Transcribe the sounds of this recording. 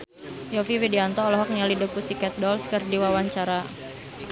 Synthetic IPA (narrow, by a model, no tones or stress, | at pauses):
jɔfiwidiant̪ɔːlɔɦɔk̚ɲalidəpusikɛt̪̚dɔlskərdiwawaɲt͡ʃaɾa